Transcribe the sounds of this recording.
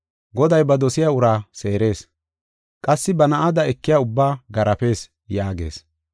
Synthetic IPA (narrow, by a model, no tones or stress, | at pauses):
ɡɔd̪ɐjbɐd̪ɔsɪjaʊɾaːse̞ːɾe̞ːs | kʼɐsːɪbɐnɐʔad̪ɐɛkːɪjaʊbːaːɡɐɾɐpe̞ːs | jaːɡe̞̰ːs